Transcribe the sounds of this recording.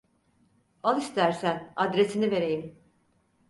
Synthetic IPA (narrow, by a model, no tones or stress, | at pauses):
alˠist̪ʰæɾsænad̪ɾe̞sinive̞ɾe̞jim